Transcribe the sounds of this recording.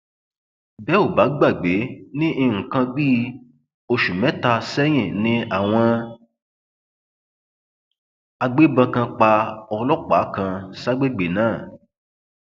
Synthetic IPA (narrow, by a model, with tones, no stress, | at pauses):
bɛ˦o˦˨ba˨˦ɡ͡ba˦˨ɡ͡be˨˦nĩ˦ʔi˧ŋ̩̃˨kã˧biː˦ | o˧ʃu˨mɛ̃˨˦ta˧sɛ˦j̃ĩ˦˨nĩ˨˦a˦˨w̃ɔ̃˧ | a˧ɡ͡be˦bã˧kã˧k͡pa˧ɔ˧lɔ˦k͡pa˨˦kã˧sa˦ɡ͡be˦˨ɡ͡be˨nãː˦˨